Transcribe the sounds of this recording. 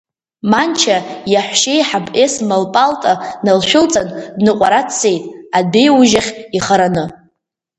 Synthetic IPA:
mant͡ʃʰajaħʷʃejħabʼʔesmalpʼaltʼanalʃᶣʊlt͡sʼandnɨqʷʼaɾatʰsʰe̞jtʼabe̞juʒaχʲiχaɾanɨ

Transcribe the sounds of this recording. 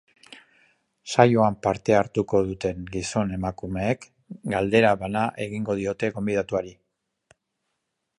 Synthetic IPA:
sajoampaɾt̪e̞aɾt̪uko̞ðut̪e̞ŋɡiso̞ne̞makume̞ːk | ɡald̪e̞ɾaβanaʔe̞ɣiŋɡo̞ð̞io̞t̪e̞ɣo̞mbið̞at̪uaɾi

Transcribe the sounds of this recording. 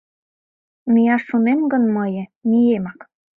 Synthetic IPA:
mijɑʃːunemɡə̆nmɤjə̆mijemɑk

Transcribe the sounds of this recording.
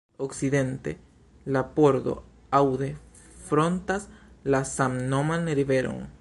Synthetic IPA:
oksiðent̪ḛ | lapoɾdo̰ | awðe | fɾont̪aslasamnomaneɾiβeɾo̰ŋ

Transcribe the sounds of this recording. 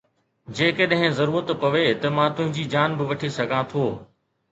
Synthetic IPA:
d͡ʑeːkeɗɐ̃ɦɪ̃zɐɾuːɾət̪pɐʋet̪ɐmãt̪ʊ̃ɦɪ̃ɲd͡ʑiːd͡ʑaːnbɪʋɐʈʰisɐɡʱãt̪ʰoː

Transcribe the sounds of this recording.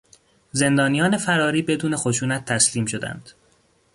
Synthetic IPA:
ze̞nd̪ɒːnijɒːne̞fæɾɒːɾiːbe̞d̪uːne̞xoʃuːnæt̪ʰːæsliːmʃo̞d̪æ̰nd̪̥

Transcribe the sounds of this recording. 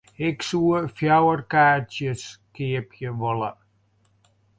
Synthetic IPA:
ɪksuəfjawərkaːtjəskeəpjəvɔla̰

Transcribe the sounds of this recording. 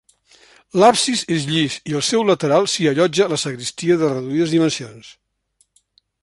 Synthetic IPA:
lapsizezʎisiəlˠsɛwlət̪əɾalˠsiəʎɔd͡ʒələsəɣɾist̪iəðərəðuiðəzðimənsions

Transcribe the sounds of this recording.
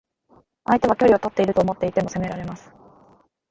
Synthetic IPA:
ait̪e̞β̞akʲo̞ɾʲio̞t̪o̞t̪ːe̞iɾɯ̟t̪o̞ːmo̞t̪ːe̞it̪e̞mo̞se̞me̞ɾaɾe̞masɨ̥

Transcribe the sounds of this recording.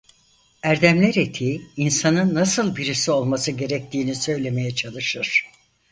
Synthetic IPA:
æɾd̪æmlʲæɾet̪ʰiːinsanɯnːasɯlˠbiɾisio̞lˠmasɯɟe̞ɾɛc̚t̪ʰiːnisø̞jlʲe̞me̞jɛt͡ʃʰalˠɯʃɯɾ̥

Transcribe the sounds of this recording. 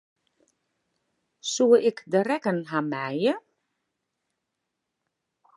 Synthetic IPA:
suəʔɪkdərɛkənɦamɛjə

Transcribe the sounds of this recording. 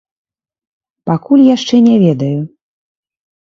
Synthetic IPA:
pakulʲjaʂt͡ʂɛnʲɛvʲɛd̪ɐju

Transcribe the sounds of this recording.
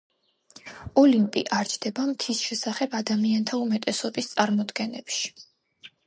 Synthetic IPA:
ɔlimpʼḭʔaɾt͡ʃʰd̪̥ɛbamt̪ʰisʃɛsaχɛbad̪amiant̪ʰaumɛt̪ʼɛsɔbist̪sʼaɾmɔd̪ɡɛnɛpʃi̥

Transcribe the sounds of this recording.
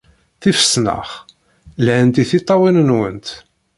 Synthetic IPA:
θifə̥snə̰χ | lʕənt̪iθit̪ˤːɑwinənwə̰nt̪

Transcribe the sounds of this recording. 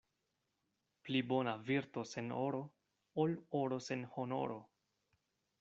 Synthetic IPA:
plibo̞naviɾto̞se̞noɾo̞ | oloɾo̞se̞nho̞no̞̰ɾo̞

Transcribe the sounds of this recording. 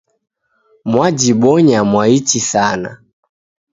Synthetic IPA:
mwad͡ʒiɓɔɲamwait͡ʃisana̰

